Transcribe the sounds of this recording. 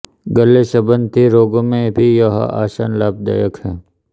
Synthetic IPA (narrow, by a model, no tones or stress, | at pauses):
ɡəlːeʃɐbənt̪ʰiɾoːɡomẽbʱijɐɦa̰ʔa̰ːʃaːnlaːb̚d̪a̰ːjəkhɛ̃ː